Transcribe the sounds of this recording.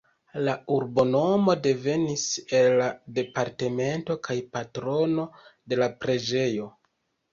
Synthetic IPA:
lauɾbo̞no̞mo̞de̞ve̞nise̞lːade̞paɾte̞me̞nto̞kʰajpatɾo̞no̞de̞lapɾe̞d͡ʒe̞jo̞

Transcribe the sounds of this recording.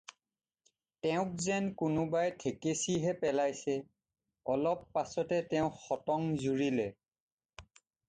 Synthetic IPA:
tɛʊ̃k̚zɛnkʊnʊbajtʰekesiɦɛpɛlajsɛ | ɔlɔpːasɔtɛtɛʊ̃xɔtɔŋzuɹilɛ

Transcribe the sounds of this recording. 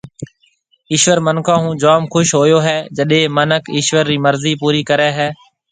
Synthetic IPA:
ɪːʃʋəɾmənkʰãːɦũːd͡ʒaːmkʰʊʃɦoːjoːɦɛːd͡ʒəɗẽːmənəkʰɪːʃʋəɾːiːməɾziːpuːɾiːkəɾɛːɦɛː

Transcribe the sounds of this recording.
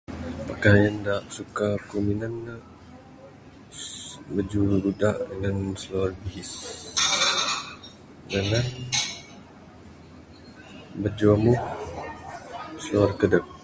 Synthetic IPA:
pəkajandaʔsukakuminanːə | bəd͡ʒuɾudaʔdəŋansəloarbiɦis | dəŋan | bəd͡ʒuamuh | səloarkədək̚

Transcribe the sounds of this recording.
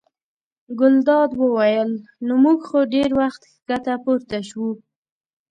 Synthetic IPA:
ɡʊld̪ɑd̪wəwajəlnomuɡxoɖeɾwaxt̪ | ɡ̥at̪apoɾt̪aʃwu

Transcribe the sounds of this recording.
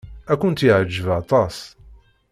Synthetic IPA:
ækʷʊnt̪iʕəd͡ʒːəvɑt̪ˤɑs

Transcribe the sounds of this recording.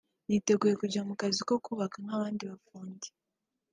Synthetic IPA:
jite̞ɡuːje̞kuɟamukaziko̞kuβakaŋaβaːndiβafuːɲɟi̥

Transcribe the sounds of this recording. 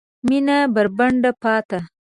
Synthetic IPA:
minabəɾbaɳɖapɑt̪a

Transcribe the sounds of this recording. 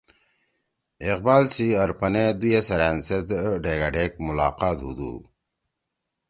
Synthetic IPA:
iq̚baːlsiɐɾpɐned̪ujesɐɾaːnsed̪ɖeːɡaɖeːk̚mulaːqaːt̪ɦṵd̪ṵː

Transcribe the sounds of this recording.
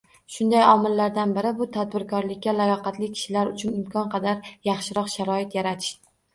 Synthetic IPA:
ʃʊnd̪ajɒmɪlːaɾd̪anbɪɾɪbʊt̪ʰad̪̚bɪɾkʰɒɾlɪkʲːalajɒqɑt̪lɪkʲʰɪ̥ʃɪlaɾʊt͡ʃʰʊnɪmkʰɒnqʰɑd̪aɾjɑχʃɪɾɒqʃaɾɒɪt̪jaɾat̪ʰɪ̥ʃt̪ɪ

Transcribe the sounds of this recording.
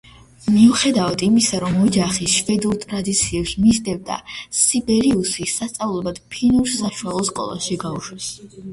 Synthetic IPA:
miuχɛd̪avad̪imisaɾɔmɔd͡ʒaχiʃvɛd̪uɾt̪ʼɾad̪it̪sʰiɛpsmizd̪ɛvd̪a̰sibɛɾiusisast̪sʼavlˠɛbad̪pʰinuɾsaʃuwalˠɔskʼɔ̰lˠa̰ʃiɡauʃwɛs

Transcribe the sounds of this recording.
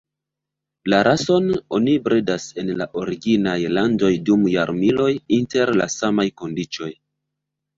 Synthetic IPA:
laɾʔaso̞no̞nibɾedase̞nlaʔo̞ɾiɡinajlando̞jdumjaɾmilo̞jinte̞ɾla̰samajko̞ndit͡ʃo̞j

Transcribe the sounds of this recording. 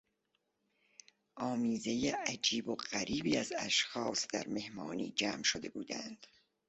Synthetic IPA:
ʔɒːmiːze̞jeʔæd͡ʒiːboɢ̥æɾiːbiːæzæʃxɒːsd̪æ̰ɾme̞hmɒːnḭːd͡ʒæːmʃod̪e̞̰bṵːd̪æ̰nd̪̥

